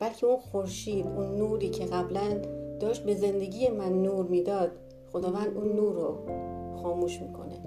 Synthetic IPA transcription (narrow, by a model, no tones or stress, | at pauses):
b̥ælcʰeunxoɾʃiːd̪unːuːɾiːcʰeɣæblænd̪̥ɒːʃt̪̚be̞ze̞nd̪e̞ɟiːjemænːuːɾmiːd̪ɒːd̪̥̚ | xod̪ɒːvænd̪ʔunːuːɾoxɒːmuːʃmiːkʰo̞̰nḛ